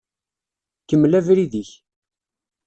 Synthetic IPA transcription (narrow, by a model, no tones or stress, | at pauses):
kəmːlævɾiðiç